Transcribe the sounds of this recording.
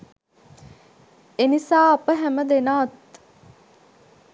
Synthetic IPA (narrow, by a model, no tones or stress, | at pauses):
enisaːɐpəɦæməd̪enaːt̪